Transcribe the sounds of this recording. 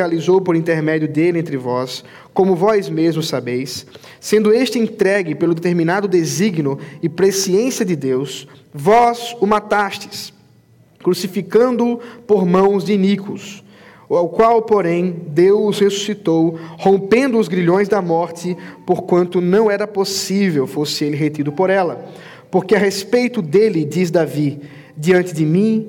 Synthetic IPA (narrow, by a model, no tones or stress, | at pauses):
alizowpoɾĩnt̪eɾmɛdiʊd̪elẽnt̪ɾɪvɔs | kõmʊvɔzmezmʊsabejsː | ẽnd̪ʊeʃt͡ʃɪẽt̪ɾɛɡɪpelʊd̪et̪eɾmĩnad̪ʊd̪eziɡnʊɪpɾesiẽsiɐd̪ɪd̪ews | vɔzʊmat̪ast̪ɪ̥s | kɾusifikɐ̃nd̪ʊpoɾmɐ̃w̃zd͡ʒɪinikʊs | awkwawpoɾẽj̃d̪ewʊzhesu̥sit̪owhõmpẽnd̪ʊːzɡɾiʎõj̃zd̪ɐmɔɾt̪ɪpoɾkwɐ̃nt̪ʊnɐ̃w̃ɛɾɐposivewfosɪelɪɦet̪id̪ʊpoɾɛlɐ | poɾkɪɐɦespejt̪ʊd̪elɪd̪iz̬d̪avi | d̪iɐ̃nt̪ɪd̪ɪmĩ